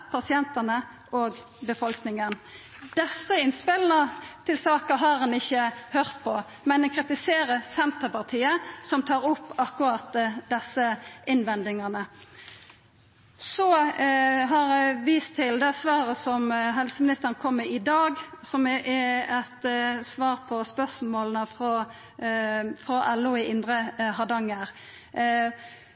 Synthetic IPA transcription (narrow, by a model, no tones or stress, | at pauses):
pʰɑsɪɛnt̪ənə | ʔoːɡ | bəfɔlknɪŋən | d̪̥ɛsːəɪnspɪln̩ət̪ʰɪlsɑːkəɦɑɾhɑnɪçːəhøːʁt̪pʰɔ | mɛnɛkʰʁɪt̪ɪseːɾəsɛnt̪əpɑʁt̪ʰiːəsɔmt̪ʰɑːɾʊpːɑkːʊɾɑt̪d̪ɛsːəʔɪnʋɛnd̪ɪŋɑnə | sɔ | ɦɑɾʋiːst̪ʰːɪld̪ɛsʋɑːɾəsɔmɦɛlsəmɪnɪst̪əɾnəkʰɔmːəɪd̪ɑːɡsɔmɛʔɛɛt̪sʋɑːʁpʰɔspœsmoːlənəfɾɔ | fɾɔʔɛlːuɪʔɪnd̪ɾəhɑd̪ɑŋːəɾ